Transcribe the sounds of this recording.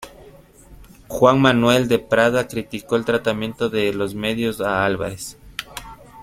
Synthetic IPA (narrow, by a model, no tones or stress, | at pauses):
xwaŋmanwe̞ld̪epɾaðakɾit̪iko̞elt̪ɾat̪amjẽ̞nt̪oðelozme̞ðjosaalβa̰ɾes